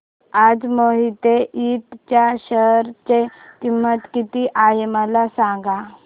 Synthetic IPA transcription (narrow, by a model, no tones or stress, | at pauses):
ad͡zmoɦit̪eit̪t͡ɕjaɕəɦɾt͡ɕekimət̪kit̪iʔajmalasãŋɡa